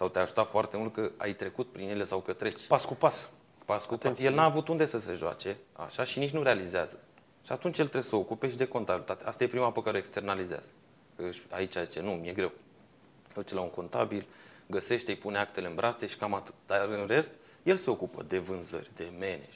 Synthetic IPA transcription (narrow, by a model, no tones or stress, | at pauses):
sawt̪eaʒut̪at̪foart̪e̞mult̪̚kəa̰jt̪ɾe̞kut̪̚pɾinje̞le̞sawkət̪ɾe̞t͡ʃʲpaskupas | paskupajelnaːvut̪und̪e̞səse̞ʒoa̰t͡ʃe̞a̰ʃaʃinit͡ʃʲnuɾealizeazə | ʃiat̪unt͡ʃʲje̞lt̪ɾebsəo̞kupe̞ʃid̪e̞ko̞nt̪abilt̪at̪east̪aje̞pɾimapəkaɾeoekst̪e̞rnalizea̰z̥ə | əɨʃa̰it͡ʃʲajzit͡ʃe̞numije̞ɡɾe̞w | ut͡ʃlauŋko̞nt̪abilɡəse̞ʃt̪ejpuneakt̪e̞leɨnbɾʔat̪se̞ʃi̥kamat̪ɨ̥t̪d̪aɾɨnre̞st̪ | je̞lse̞o̞kupə̰d̪e̞vɨnzə̰rʲd̪e̞me̞nḛ